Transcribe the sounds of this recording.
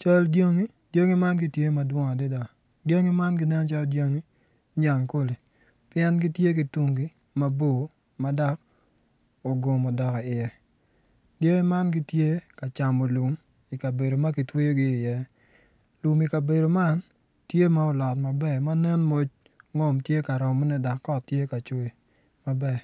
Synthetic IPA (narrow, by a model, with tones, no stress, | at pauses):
t͡ʃa˦ldjo˦ŋi˦ | d̥jo˦ŋi˦ma˦nɡi˦tje˦ma˦dwɔ˦ŋa˨dɪ˦da˨ | djo˦ŋi˦ma˦nɡɪ˦nɛ˦n˦t͡ʃa˦ldjo˦ŋi˦ | ɲa˨ŋko˦li˨ | pɪjɛ˦nɡi˦tje˦ki˨tu˦ŋɡi˦ | ma˦bo˦˨˦ | ma˦da˦k̚ | o˨ɡo˨mɔ˨dɔ˨ka˨ɪ˨ɛ˨ | dje˦ŋi˦ma˦nɡɪ˦tje˦ka˨t͡ʃa˨mo˨lu˨m | i˨ka˨be˨do˨ma˦ki˨twe˦jo˦ɡɪː˦˨jɛ˦ | lu˨mi˨ka˨be˨do˨ma˦n | tje˦ma˦ɔ˨lɔ˨tma˨bɛ˨ma˦nɛ˦nmo˦t͡ʃ | ŋɔ˦mtje˦ka˨ɾɔ˨mɔ˦nɛ˦da˨kːɔ˦tːje˦ka˨t͡ʃo˦i˨ | ma˨bɛ˨